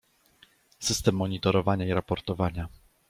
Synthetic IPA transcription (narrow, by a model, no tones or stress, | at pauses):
sɘst̪ɛmːɔɲit̪ɔɾɔvaɲaiɾapɔɾt̪ɔvaɲa